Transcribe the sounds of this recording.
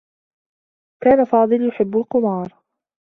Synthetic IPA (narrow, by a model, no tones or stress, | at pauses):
kaːnafɑːd̪ˤɨljʊħɪbːʊlqʊmɑːɾˤ